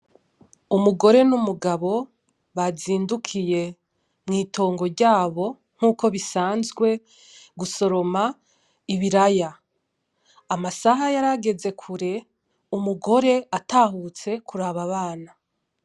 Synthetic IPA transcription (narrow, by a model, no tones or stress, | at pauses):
umuɡo̞ɾe̞numuɡaβo̞ | βaziːndukʰije̞ | mŋiːtʰo̞ːŋɡo̞ɾɟaːβo̞ | ŋ̥huːko̞βisaːnzɡwe̞ | ɡuso̞ɾo̞ma | iβiɾaja | masaɦajaɾaɡe̞ze̞kʰuɾe̞ | umuɡo̞ɾe̞ataːhut͡se̞kʰuɾaβaβaːna